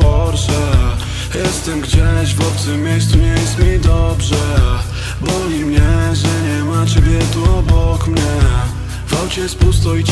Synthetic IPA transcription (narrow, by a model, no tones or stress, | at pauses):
ɔɾʂɛ | jɛst̪ɛmɡd͡ʑɛɕvɔt̪t̪sɪmːʲjejssuɲejɛst̪mʲid̪ɔbʐɛ | bɔlʲimɲɛʐɛɲɛmat͡ɕɛbʲjɛt̪uɔbɔkmɲɛ | vɔwt͡ɕɛspust̪ɔit͡ɕ